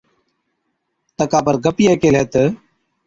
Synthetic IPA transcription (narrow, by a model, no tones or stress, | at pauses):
t̪əkaːpəɾɡəpɪjaːkeːleːt̪ə